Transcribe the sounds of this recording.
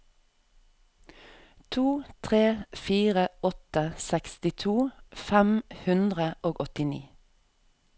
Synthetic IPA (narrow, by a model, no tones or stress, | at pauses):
t̪ʰuːt̪ʰʁeːfiːʁəɔt̪əsɛkst̪ɪt̪ʰuːfæmhʉnd̪ʁəʔoːɡɔt̪ɪnḭː